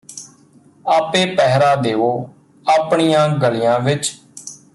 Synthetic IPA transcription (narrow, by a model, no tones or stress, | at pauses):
aːpeːpɛɦɾaːd̪eːʋoː | aːpɳijãːɡəlijãːʋɪt͡ʃ